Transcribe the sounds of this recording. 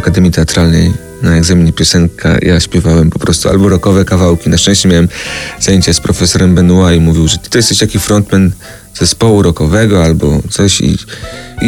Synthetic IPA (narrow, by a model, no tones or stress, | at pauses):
akad̪ɛmʲjit̪ɛat̪ɾalnɛ̰j | naɛɡzamʲiɲɛpʲjɔsɛŋkʰa̰jaɕpʲjɛvawɛmpɔpɾɔst̪ua̰lbɔɾɔkɔvɛkavawkʲinaʂt͡ʂɛ̃ɕt͡ɕɛmʲjawɛmzajeɲt͡ɕaspɾɔfɛsɔɾɛmbɛnuwajmuvʲiwʐɛt̪t̪ɔjɛst̪ɛɕt̪akʲifɾɔnt̪mɛn | z̥ɛspɔwuɾɔkɔvɛɡɔalbɔt̪sɔɕḭ